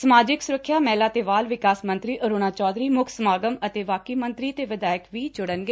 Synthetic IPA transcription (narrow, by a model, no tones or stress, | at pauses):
səmaːd͡ʒɪksʊɾəkʰːjaːmɛːlaːt̪eːʋaːlʋɪkaːsmə̃nt̪ɾiːʔəɾoːñaːt͡ʃɔːd̪ɾiːmʊkʰsəmaːɡəmət̪eːʋaːkiːmə̃nt̪ɾiːət̪eːʋɪd̪aːjəkʋiːd͡ʒʊɽənɡeː